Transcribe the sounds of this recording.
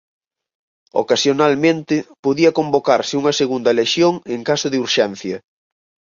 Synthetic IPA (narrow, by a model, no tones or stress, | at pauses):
o̰kasjonalmẽnt̪ɪpoðiɐkombokaɾsɪuŋɐseɣund̪ɐleʃjoŋeŋkasʊðɪuɾʃɛn̟θjɐ